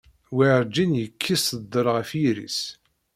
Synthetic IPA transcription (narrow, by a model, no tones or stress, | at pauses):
wiʕɾd͡ʒinjəkʰːisəd̪ːəɾˤʁəfjiɾḭs